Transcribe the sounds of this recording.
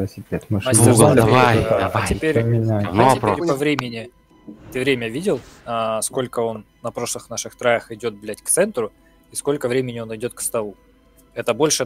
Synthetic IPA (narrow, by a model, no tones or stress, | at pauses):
lˠəsʲɪpʲet̪mɨad̪avajvat̪ʲɪpʲeɾʲmʲɪnʲaɪpeɾʲppɐvɾʲemʲɪnʲɪ | t̪ɨvɾʲemʲəvʲidʲɪlˠəsko̞lʲkəo̞nːɐpɾo̞ʂlˠɨxnaʂɨxt̪ɾajəxɪdʲo̞t̪̚blʲætʲkt̪sɛnt̪ɾʊ | isko̞lʲkəvɾʲemʲɪnʲɪo̞nɪdʲo̞t̪̚kst̪ɐlˠu | ɛt̪əbo̞lʲʂɨ